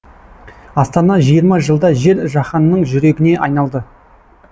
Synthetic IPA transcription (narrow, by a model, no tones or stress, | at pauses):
ɑst̪ɑnɑʒijəɾmɑʒəlˠd̪ɑʒe̞ɾʒɑχɑnːəɴʒʏɾe̞ɡʲɪne̞ʔɑjnɑlˠd̪ə